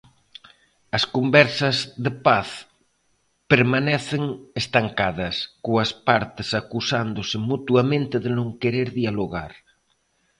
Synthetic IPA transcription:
ɐskombɛɾsɐzðepaθ | peɾmanɛθeŋest̪aŋkaðɐskoaspaɾt̪esakusand̪osemut̪uamẽnt̪eðenõŋkeɾeɾðialoɣa̰ɾ

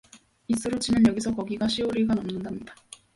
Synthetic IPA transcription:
is͈ɯɾot͡ɕinanjʌɡisʰʌkʌɡiɡaɕʰioɾiɡanʌmnɯndamɲida

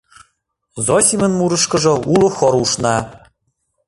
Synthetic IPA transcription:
zosʲimʲə̆nmuɾɤ̆ʃkɤ̆ʒɤ̆ulŏxoɾuʃnɑ

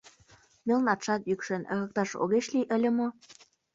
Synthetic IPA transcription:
melnɑt̪ʃɑt̪jykʃenə̆ɣɤ̆k̚t̪ɑʃo̰ɣeʃliʔə̆lʲə̆mo

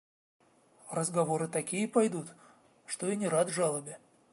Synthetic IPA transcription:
rəzɡɐvo̞ɾɨt̪ɐkʲijəpɐjd̪ut̪ | ʂt̪oinʲɪɾad̪ʐalˠəbʲɪ

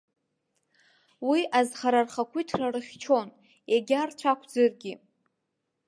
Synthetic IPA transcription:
wiʔazχaɾarχakʷʰitʰrarɨχʲt͡ʃʰon | eɡʲart͡ʃʷʰakʷʰd͡zɨrɡʲi

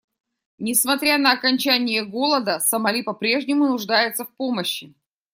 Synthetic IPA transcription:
nʲɪsmɐt̪ɾʲanəːkɐnʲt͡ɕænʲɪjəɡo̞lˠəd̪əsəmɐlʲipɐpɾʲe̞ʐnʲɪmʊnʊʐd̪ajɪt̪səfpoməɕːɪ

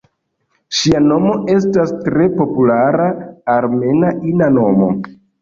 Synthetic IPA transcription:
ʃiano̞mo̞ʔe̞s̬tastɾe̞po̞pulaɾaːɾme̞naʔinano̞mo̞̰

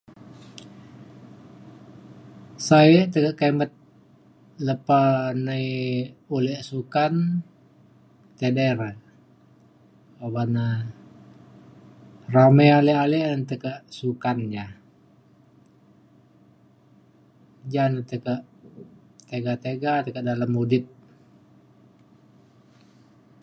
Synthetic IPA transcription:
sajəʔt̪əkəʔkemət̪̚ | ləpanajulɛʔsukan | t̪edeɾə | obana | ramejalialiʔənt̪əkəʔsukanja | d͡ʒanət̪əkəʔ | t̪eɡat̪eɡat̪əkəʔdaləmudɪp̪̚

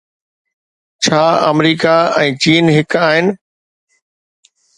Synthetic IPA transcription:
t͡ɕʰaːɐ̰mɾiːkaɛ̃ːt͡ɕiːnɦɪkaːɦɪnɪ̆

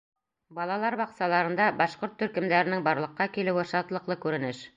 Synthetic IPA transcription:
bɑlˠɑlˠɑɾbɑqsɑlˠɑɾɤ̆nd̪ɑbɑʃqoɾt̪ːɵ̆ɾkɘ̆md̪æɾɘ̆nɘŋbɑɾlˠɤ̆qːɑkilɘ̆wɘʃɑt̪lˠɤ̆qlˠɤkʉɾɘ̆nɘʃ

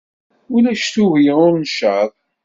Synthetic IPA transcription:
ʊlæʃt̪uvjəʊɾnʃəðˤ

